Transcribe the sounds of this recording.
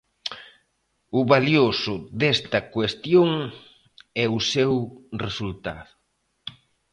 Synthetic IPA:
ʊβaljosʊðɛst̪ɐkwest̪joŋ | ɛʊsewresult̪a̰ðʊ

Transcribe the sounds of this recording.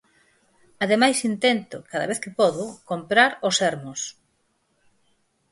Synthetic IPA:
aðemajsint̪ɛnt̪ʊkaðɐ̰β̞eθkɪpɔðʊkompɾaɾosɛɾmʊs

